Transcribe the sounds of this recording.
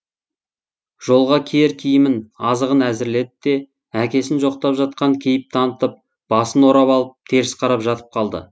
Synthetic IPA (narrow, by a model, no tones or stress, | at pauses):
ʒ̥o̞lˠʁɑkʲʰeɾkʲʰijɪmɪnɑzəʁənæzɪɾle̞d̪ɪd̪e̞ | ækʲe̞sɪnʒo̞q̚t̪ɑpʒɑt̪̚qɑŋkʲʰe̞jɪp̚t̪ʰɑnət̪əp̚ | b̥ɑsənwo̞ɾɑpɑlˠəp̚t̪ʰe̞ɾɪsqʰɑɾɑpʒɑt̪ə̥p̚qʰɑlˠd̪ə̰